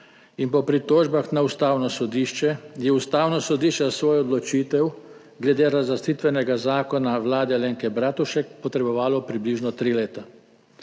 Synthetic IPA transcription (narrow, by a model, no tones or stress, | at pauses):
inpɔpɾit̪oːʒbaxnaust̪aːwnɔsɔd̪iːʃt͡ʃɛjɛust̪aːwnɔsɔd̪iːʃt͡ʃɛsʋoːjɔd̪lɔt͡ʃiːt̪ɛw | ɡlɛd̪eːɾazlast̪it̪ʋɛnɛɡazaːkɔnaʋlaːd̪ɛleːŋkɛbɾaːt̪uʃɛkpɔt̪ɾɛbɔʋaːlɔpɾibliːʒnɔt̪ɾileːt̪a